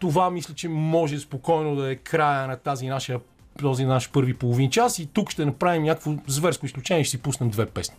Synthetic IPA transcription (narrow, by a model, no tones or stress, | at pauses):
t̪ovamislʲət͡ʃɛmɔʒɛspokɔjnod̪ɐɛkɾajənɐt̪azinaʃijə | t̪ɔzinnaʃpɤɾvipolˠovint͡ʃasit̪ukʃt̪ɛnɐpɾavimnʲakəkvozvɛɾskoisklʲut͡ʃɛnʲɛʃt̪sipusnɐmd̪vɛpɛsni̥